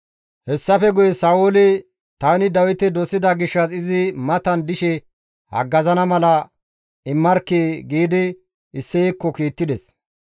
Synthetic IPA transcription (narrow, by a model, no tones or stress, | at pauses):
hɛsːɐfɛɡʊjɛsaːwolɪ | t̪aːnɪd̪ɐwɪt̪ɛd̪ɔsːɪd̪ɐɡɪʃːɐsɪzɪmɐt̪ɐnd̪ɪʃɛ | hɐ̰ɡːɐzɐnɐmɐlɐ | ɪmːɐɾkːeːɡiːd̪ɪ | ɪsːɛɛkːɔkiːt̪ːɪd̪ɛs